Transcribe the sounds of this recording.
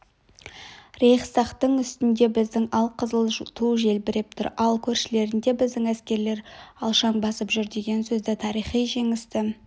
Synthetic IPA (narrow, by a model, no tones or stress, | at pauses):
ɾeχsɑqt̪əɴʏst̪ɪnd̪e̞bɪzd̪ɪŋɑlˠqʰəzəlˠt̪ʰuʒe̞lbɪɾɪp̚t̪ʰʊ̰ɾɑlˠkʲʰɵɾʃɪle̞ɾɪnd̪e̞bɪzd̪ɪŋæskʲe̞ɾle̞ɾɑlˠʃɑnbɑsəpʒʏɾd̪e̞ɡʲe̞nsɵzd̪ɪt̪ʰɑɾijχijʒe̞ŋɪst̪ɪ